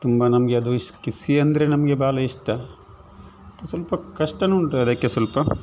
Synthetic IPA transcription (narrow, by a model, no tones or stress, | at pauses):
t̪umbɐnɐmɐɡeɐd̪uiskisiɐnd̪ɐɾenɐmɐɡebaːlɐiʂt̪ɐ | t̪ɐsʋɐlpɐkɐʂʈɐnuːɳʈɐd̪ɐːkːesɐlpɐ